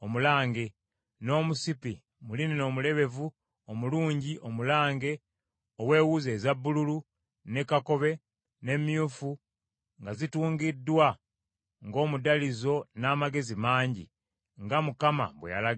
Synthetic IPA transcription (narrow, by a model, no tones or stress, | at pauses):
omulaːŋɡe̞ | no̞ːmusipi | mulineno̞ːmule̞βe̞vu | omuluːɲɟiʔomulaːŋɡe̞ | owe̞ːwuze̞ːzabːululu | ne̞kako̞βe̞ | ne̞mjufu | ŋɡazituːŋɡidːwa | ŋɡo̞ːmudalizo̞naːmaɡe̞zimaːɲɟḭ | ŋɡamukama̰βwḛja̰la